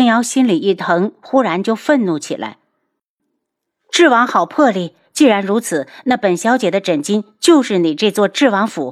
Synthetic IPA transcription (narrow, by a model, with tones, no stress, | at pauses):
ŋjɑ˧˥ʊɕi˥nli˨˩i˥˩t̪ʰɤ˧˥ŋxu˥ɻa˧˥nt͡ɕjo˥˧ʊfə˥˧nnu˥˩t͡ɕʰḭ˨˩lʔa̰˧˥ɪ | ʈ͡ʂɻ̩˥˩wɑ˧˥ŋxɑ˨˩ʊpʰɤ˥˧li˥˩ | t͡ɕi˥˩ɻa˧˥nɻu˧˥t͡sʰɹ̩˨˩˦na˥˩pə˨˩nɕjɑ˧˥t͡ɕjɛ˨˩d̪ə˦ʈ͡ʂə˨˩nt͡ɕi˥nt͡ɕjo˥˧ʊʂɻ̩˥˩ni˨˩ʈ͡ʂɤ˥˧t͡swɔ˥˧ʈ͡ʂɻ̩˥˩wɑ˧˥ŋfṵ˧˥